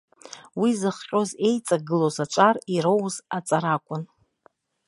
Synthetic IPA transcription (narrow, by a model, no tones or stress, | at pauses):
wizɨχqʲʼoze̞jt͡sʼaɡɨlozat͡ʃʷʼariɾowzat͡sʼaɾakʷʼʊn